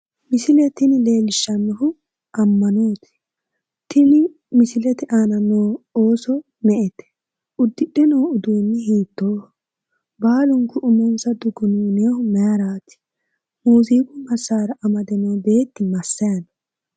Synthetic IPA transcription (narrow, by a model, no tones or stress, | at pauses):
mɪsɪlɛt̪ɪnɪle̞ːlɪʃːɐnːɔhʊ | ʔɐmːɐnoːt̪ɪ̥ | t̪ɪnɪ | mɪsɪlɛt̪ɪʔanɐnoːoːsɔ | nɛʔɛt̪ɛ̥ | ʔʊd̪ːɪɗɛnoːʊd̪uːnːɛɦiːt̪ːoː | baːlʊŋkːʊʔʊmɔnsɐd̪ʊɡʊnuːnehʊmɛjɐɾaːt̪ɪ̥ | muːziːɡʊmɐsːaːɾɐʔɐmɐd̪ɛnoːbe̞ːt̪ːɪmɐsːɐjɐn